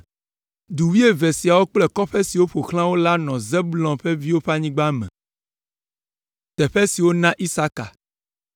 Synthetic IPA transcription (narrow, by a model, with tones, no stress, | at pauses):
d̪u˨wi˦e˦vɛ˨si˨a˨wo˦k͡plɛ˦kɔ˦ɸɛ˦si˨wo˦ɸo˨xl̃ã˦wo˦la˦nɔ̃˨zɛ˦blɔ̃˨ɸɛ˦vi˦wo˦ɸa˦ɲĩ˦ɡ͡ba˦mɛ̰̃˨ | t̪ɛ˨ɸɛ˦si˨wo˦nã˦ʔi˦sa˦ka̰˨